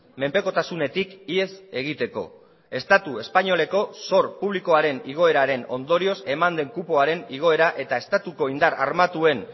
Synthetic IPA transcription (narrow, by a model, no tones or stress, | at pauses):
me̞mpe̞ko̞t̪asune̞t̪ikie̞se̞ɣ̞it̪e̞ko̞̰ | e̞st̪at̪ue̞spaɲo̞le̞ko̞so̞ɾpuβliko̞aɾe̞niɣ̞o̞e̞ɾaɾe̞no̞̰nd̪o̞ɾio̞se̞mand̪e̞ŋkupo̞aɾe̞niɣ̞o̞e̞ɾaʔe̞t̪ae̞st̪at̪uko̞ind̪aɾa̰ɾmat̪ue̞n